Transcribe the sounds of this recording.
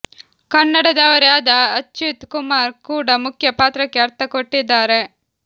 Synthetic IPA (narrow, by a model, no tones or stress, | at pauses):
kɐnːɐɽɐd̪ɐʋɐɾeaːd̪ɐɐt͡ʃːut̪kumaːɾkuːɽɐmukʰjɐpaːt̪ɾɐkːeɐɾt̪ʰɐkoʈːid̪ːaːɾe̞